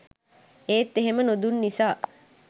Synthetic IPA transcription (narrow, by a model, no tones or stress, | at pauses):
eːt̪ːeɦemənod̪unːisaː